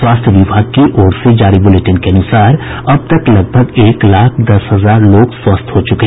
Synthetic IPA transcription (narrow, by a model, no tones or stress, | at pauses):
swaːst̪ʰjəʋɪbʱaːɡkiʔoːɽsed͡ʒaːɾibʊleʈɪnkeɐnʊsaːɾ | ɐb̚t̪əklɐɡ̚bʱəɡeːklaːkʰd̪ɐsɦɐzaːɾloːɡswɐst̪ʰɦot͡ʃʊkeɦ